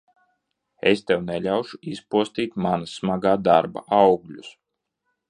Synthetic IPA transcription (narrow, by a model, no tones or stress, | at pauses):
ḛst̪ɛwnɛlʲawʃuispuɔst̪iːt̪manasmaɡaːd̪aɾba̰ʔawɡlʲus